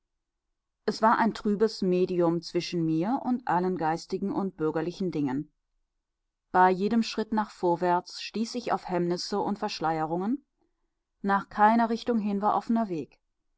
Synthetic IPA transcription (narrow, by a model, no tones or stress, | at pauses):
ʔɛsv̥aːɐʔaɪntʁ̥yːbəsmeːdiʊmt͡sv̥ɪʃn̩miːɐʔʊntʔalənɡaɪstɪɡŋ̩ʔʊnt̚b̥ʏɐɡɐlɪçn̩dɪŋən | b̥aɪjeːdəmʃʁ̥ɪtnaːχfoːɐvɛɐt͡sʃtiːsɪça̰ʊfhɛmnɪsəʔʊntfɛɐʃlaɪəʁʊŋən | naːχkʰaɪnɐʁɪçtʊŋɦɪnvaːɐʔɔfənɐveːk